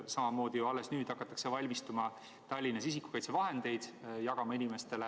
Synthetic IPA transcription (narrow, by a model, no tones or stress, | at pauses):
sɑmɑmo̞ːd̪̥ijuɑlːe̞snyːd̪̥ɑkːˑɑt̪ːˑɑ̥kse̞vɑlʲmist̪umɑ | t̪ɑlʲːinːɑsis̬ikːu̥kɑjt̪sevɑɦe̞nd̪̥e̞jd̪̥jɑɡ̥ɑmɑinime̞st̪e̞le